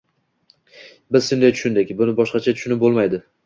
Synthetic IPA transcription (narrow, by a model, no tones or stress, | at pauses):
bɪzʃʊnd̪ajt͡ʃʰʊ̥ʃʊnd̪ɪkʲbʊnɪbɒʃqɑt͡ʃʰat̪ʰʊʃʊnɪp̚bolˠmajd̪ɪ